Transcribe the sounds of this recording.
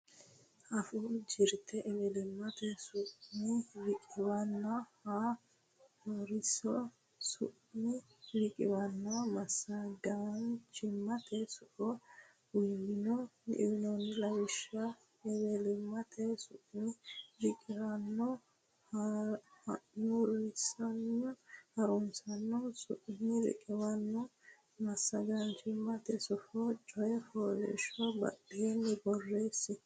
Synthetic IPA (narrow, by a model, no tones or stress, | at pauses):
ɐfud͡ʒɪɾt̪ʰɛʔɛβɛlɪmːɐt̪ɛsʊʔnɪɾɪkʼɪbɐnːɐha | ɔɾɪsɔ | sʊ̰ʔ | nɪ | ɾɪkʼɪ̰bɐnːɐmɐsːɐdant͡ʃɪmːɐt̪ʰɛsʊʔɔ | wɪwɪnɔɪ̰wɪnɔnlɐjɪʃɐ | ɛwelimːat̪ʰɛsunid͡ʒikiɾanːɔ | haanuɾisanːɔhaɾunsanːɔsuʔniɾɛ̰kɛwanːɔ | masaɡand͡ʒimːat̪ɛsɔfɔt͡ʃɔjɛfɔlɛ̰ʃɔba̰ɗijɛnːɛɡɔrːesi